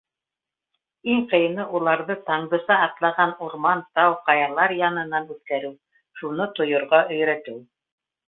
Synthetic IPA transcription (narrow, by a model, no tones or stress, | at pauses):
iɴqɤ̆jɤnɤʔulˠɑɾðɤt̪ɑɴd̪ɤ̆sɑːt̪lˠɑʁɑnuɾmɑnt̪ɑwqɑjɑlˠɑɾjɑnɤ̆nɑnʉt̪kæɾɘw | ʃunɤt̪ŏjŏɾʁɑʔɵ̆jɾæt̪ɘw